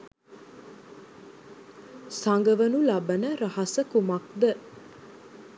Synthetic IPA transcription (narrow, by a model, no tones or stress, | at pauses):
saŋɡəʋənulɐbənæɾɐhɐsəkumɐk̚d̪ə